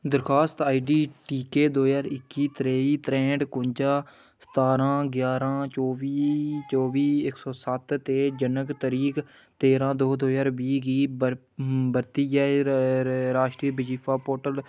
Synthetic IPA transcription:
d̪əɾkʰaːst̪aːiːɖiːʈiːkeːd̪oːjaːɾɪkːiːt̪ɾeːiːt̪ɾɛ̃ːɳɖkʊɲd͡ʒaː | sə̥t̪aːɾãːɡjaːɾãːt͡ʃoːʋiːt͡ʃɔːʋiːɪksɔːsət̪t̪eːd͡ʒənəɡt̪əɾiːk | t̪eːɾãːd̪oːd̪oːjaːɾbiːɡiː | bəɾt̪iːjɛː | ɾaːʃʈɾiːbɪd͡ʒiːpʰaːpoːɾʈəl

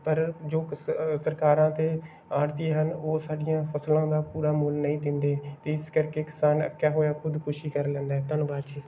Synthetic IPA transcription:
pəɾd͡ʒoːsəɾkaːɾãːt̪eː | aːɽt̪ieːɦənoːsaːɖɪjãːpʰəslãːd̪aːpuːɾaːmʊlnəĩːd̪ɪnd̪eːt̪eːɪskəɾkeːkɪ̥saːnə̰kːjaːɦoːjaːkʰʊd̪kʰʊʃiːkəɾlɛ̃ːnd̪aːɛːt̪ənʋaːt͡ʃiː

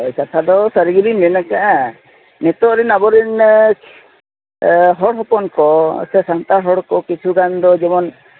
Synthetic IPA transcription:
t͡ʃat̪ʰad̪ɔsəɾiɡilimɛnakaʔ | net̪ɔɾinabɔɾin | ɦɔɽɦɔpɔnkɔ̰sɛsant̪aɦɔɽkɔkit͡ʃʰuɡand̪ɔd͡ʒɛmɔn

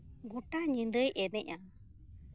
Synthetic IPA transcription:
ɡɔʈaɲĩnd̪əjʔɛnɛʔa

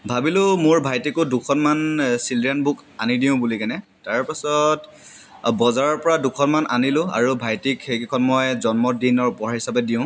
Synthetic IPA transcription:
bʱabilʊmʊɹbʱajtikʊdukʰɔnmansilianbʊkanidiʊ̃bulikanɛtaɹpasɔt | bɔzaɹɔɹpɔɹadukʰɔnmanʔa̰nilʊ̃a̰ɹubʱajtikxekikʰɔnmɔjzɔnmɔdinɔɹupɔɹaɦisapɛdiʊ̃

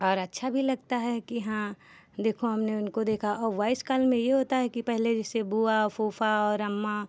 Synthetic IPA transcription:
ɔːɾɐtːʃʰabʱilɐɡ̚t̪aɦɛkiɦãː | d̪eːkʰoɦɐmneʊnkod̪eːkʰaʔɔːɾʋaːɪskaːlmẽjeɦoːt̪aɦɛkipɛɦled͡ʒɛsebuafoːfaɔːɾɐmːa

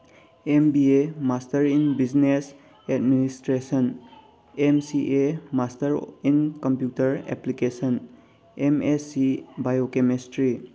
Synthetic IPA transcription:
embiemastɐɾinbid͡ʒnes | ɛd̚ministɾesən | emsiʔemastɐɾinkɔmpjutɐɾḛplikesən | emesibajokemestɾi

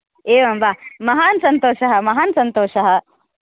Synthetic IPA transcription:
eːʋɐmbaːmɐɦaːnsɐnt̪oːʃɐɦɐmɐɦaːnsɐnt̪oːʃɐɦɐ

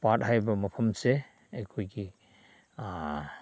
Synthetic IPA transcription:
pat̚hajbɐmɐpʰɐmse | ejkʰojɡi

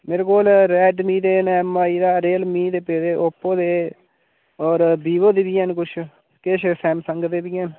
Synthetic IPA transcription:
meːɾeːkoːlɾɛːɖmĩːd̪eːnɛmaːiːd̪aːɾeːlmiːd̪eːpeːd̪eːʔopːõːd̪eː | ɔːɾbiːʋoːd̪eːbiːənkʊt͡ʃʰ | keʃʰsɛːmsəŋɡd̪eːbiːən

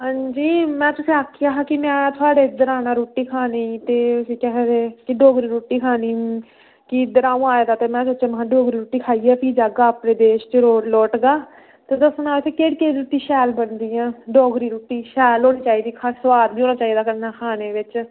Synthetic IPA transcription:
ɦãːɲd͡ʒiːmɛ̃ːt̪ʊsĩːaːkʰːɪjaːɦãːkɪmɛ̃ːt̪ʰʊaːɖeːd̪əɾaːnãːɾuːʈiːkʰaːnet̪eːʊsĩːkɛːɦd̪ekɪɖɔːɡɾiːɾuːʈiːkʰaːniː | kɪd̪əɾãːũːaːeːd̪aːt̪eːmɛ̃ːsət͡ʃẽmɦãːɖɔːɡɾiːɾuːʈiːkʰaːiːɛːpʰid͡ʒaːɡaːaːpnẽːd̪eːʃt͡ʃeɾoːlɔːʈɡaː | t̪eːd̪əsnãːt̪ʰekeːɽkeːɾuːʈiːʃɛːlbənd̪iːãːɖɔːɡɾiːɾuːʈːiːʃɛːlɦoːniːt͡ʃaːiːd̪iːkʰasəʋaːɾbiːoːnaːt͡ʃaːiːd̪aːkəɾnaːkʰaːneːʋɪt͡ʃ

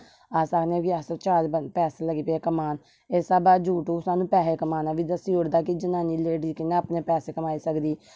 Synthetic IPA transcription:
aːsakneːkiast͡ʃaːd͡ʒbəpɛːseːləɡiːpeeːkəmaːn | eːsaːbaːd͡ʒuːʈoːsaːnũːpɛːseːkəmaːnaːʋiːd̪əsiːɽd̪aːkid͡ʒənaːniːleːɖiːkɪneːapneːpɛːseːkəmaːiːsəkd̪iː

